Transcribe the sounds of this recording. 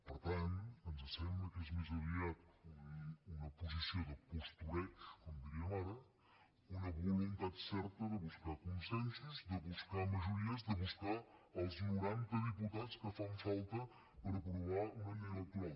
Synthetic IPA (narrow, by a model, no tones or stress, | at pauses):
pəɾt̪ant̪ənzəsɛmbləkɛzmizuɾiat̪̚ | unəpuzisiod̪əpust̪uɾɛkskɔmd̪iɾiəmaɾə | unəβulunt̪at̪sɛɾt̪əðəβuskakunsɛnsuzd̪əβuskaməʒuɾiəzd̪əβuskaːlˠznuɾant̪əðəput̪att͡skəfaɱfalˠt̪ə | pəɾəpɾuβaunɐeɾət̪ua